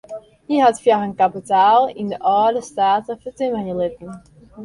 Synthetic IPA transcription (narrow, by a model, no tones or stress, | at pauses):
hiɦatfjaxənkapitaːlˠɪ̰ndəʔɑːdəstaːtəfətɪməjəlɪtən̩